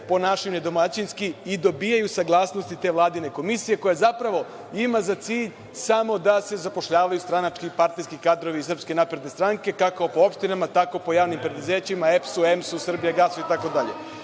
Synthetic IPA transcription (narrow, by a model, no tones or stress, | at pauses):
ponaʃine̞d̪o̞mat͡ɕinskiid̪o̞biːjajusaɡlˠaːsnost̪it̪e̞ːʋlˠaːd̪ine̞ko̞misije̞ko̞jazapɾaʋo̞ | imazat̪siːʎ | samo̞d̪ase̞zapo̞ʃʎaːʋajust̪ɾanat͡ʃkipaɾt̪nejskikaːd̪ɾo̞ʋiːsr̩pske̞napɾed̪nest̪ɾaŋke̞kakopo̞o̞pʃt̪inamat̪ako̞po̞jaːʋnimpɾed̪uze̞ːt͡ɕimaefsuemsusr̩bijaɡasoit̪ako̞d̪aʎḛ